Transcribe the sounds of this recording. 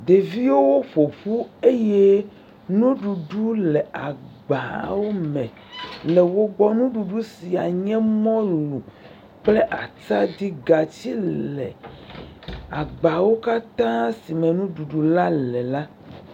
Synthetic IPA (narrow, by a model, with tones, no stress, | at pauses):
d̪e˨vi˦wo˦wo˦ɸo˨ɸu˦e˦je˦ | nũ˦ɖu˨ɖu˦lɛ˨a˨ɡ͡ba˨wo˦mɛ̃˨ | lɛ˨wo˦ɡ͡bɔ˦nũ˦ɖu˨ɖu˦si˨a˨ɲɛ̃˦mɔ̃˦lu˨ | k͡ple˦ʔa˨t͡sa˦d̪i˦ɡa˨t͡ɕi˦lɛ̰˨ | a˨ɡ͡ba˨wo˦ka˦t̪ã˦si˨mɛ̃˨nũ˦ɖu˨ɖu˨la˦lɛ˨la˦